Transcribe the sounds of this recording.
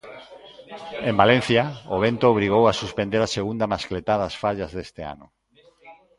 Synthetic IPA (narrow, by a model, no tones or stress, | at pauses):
embalẽn̟θjaoβ̞ent̪oːβ̞ɾiɣ̞owasuspend̪eɾaseɣund̪amasklet̪aðasfaʎazðest̪ea̰nʊ